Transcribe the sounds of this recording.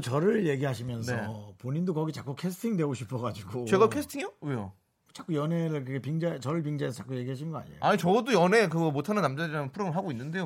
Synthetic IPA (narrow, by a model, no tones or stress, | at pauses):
t͡ɕʌɾɯɭje̞ɡiɦaɕʰimjʌnsʰʌpoɲindokʌɡit͡ɕak͈ukʰe̞sʰɯ̥tʰiŋdwe̞ɡoɕʰipʰʌɡad͡ʑiɡot͡ɕeɡakʰesʰɯtʰijoweo̰ | t͡ɕak͈ujʌne̞ɾɯɭkɯɯkʰepiŋd͡ʑat͡ɕʌɾɯɭp̬iŋd͡ʑaes̬ʰt͡ɕḁk͈uje̞ɡiɦaɕ̬ʰinŋɡʌa̰ɲiḛj̰aɲit͡ɕʌdojʌnek̬ɯmotʰananamd͡ʑaiɾampʰuɾomɯɭɦaɡoinːɯnde̞jo